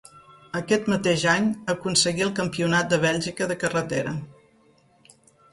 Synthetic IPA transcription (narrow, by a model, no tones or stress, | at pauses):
əkɛt̪mət̪eʒaɲəkunsəɣiəlˠkəmpiunat̪̚d̪əβ̞ɛʎʲʒikəðəkərət̪eɾə